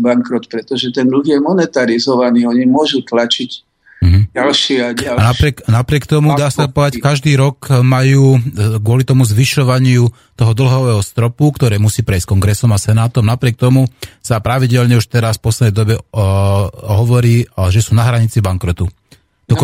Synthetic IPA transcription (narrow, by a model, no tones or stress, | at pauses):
baŋkɾɔt̪pɾɛt̪ɔʒɛt̪ɛnd̪l̩ɣjɛmɔnɛt̪aɾizɔʋaniːɔɲimʊɔʒut̪lat͡ʃiɟ̩ | ɦ̩alʃiaanaɾɪɛknapɾɪɛkt̪ɔmud̪aːsapɔd̪ackaʒd̪iːɾɔkmajuːɡʊɔlit̪ɔmuzʋiʃɔʋaɲɪu | t̪ɔɦɔd̪l̩ɦɔʋɛːɦɔst̪ɾɔpukt̪ɔɾɛːmusiːpɾɛjskɔŋɡɾɛsɔmasɛnaːt̪ɔmnapɾɪɛk̚t̪ɔmusapɾaʋiɟɛlɲɛuʃt̪ɛɾasfpɔslɛd̪ɛɪd̪ɔbɛ | ɦɔʋɔɾiːʒɛsuːnaɦɾaɲit͡sibaŋkɾɔt̪u | t̪ɔk